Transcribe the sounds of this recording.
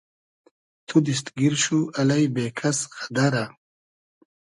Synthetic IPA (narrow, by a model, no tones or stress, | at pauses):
t̪ʰud̪ist̪ɡiɾʃuɐlajbeːkʰasxad̪aɾa